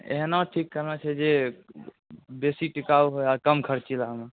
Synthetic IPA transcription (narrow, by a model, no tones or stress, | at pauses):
ḛɦnaʈʰikːəɾnat͡ʃʰɛd͡ʒe | besiʈikauɦojaɾkəmkʰəɾt͡ʃilaɦəme